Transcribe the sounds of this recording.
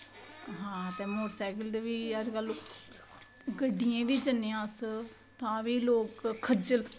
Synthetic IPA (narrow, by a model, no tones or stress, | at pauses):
ɦãːt̪eːmoːʈsaːkəld̪eʋiːəd͡ʒkəl | ɡəɖijẽːʋiːd͡ʒənːejãːs | t̪ãːʋiːloːkkʰːəd͡ʒəl